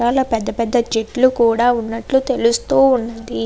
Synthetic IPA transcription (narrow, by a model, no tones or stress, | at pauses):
aːlɐpɛd̪ːɐpɛd̪ːɐd͡ʒeʈlukuːɽaːunːɐʈlut̪e̞lust̪uːunːɐnd̪i